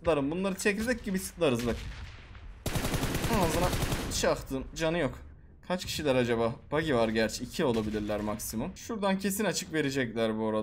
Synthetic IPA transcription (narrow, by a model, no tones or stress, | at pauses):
t̪lˠaɾɯmbunlˠaɾɯt͡ʃʰeclʲed͡ʒ̪ɛc̚ɟibisɯ̥t̪lˠaɾɯzbak | anazɯnaiʃiakt̪ʰɯːmd͡ʒanɯjo̞k | kʰat͡ʃcʰi̥ʃilʲæɾad͡ʒabaːb̥aɟivaɾɟæɾt͡ʃʰɛicʰio̞lˠabilʲiɾlʲæɾmaksimumʃuɾd̪ancʰe̞sinat͡ʃʰɯkve̞ɾed͡ʒɛclʲæɾbuoɾad̪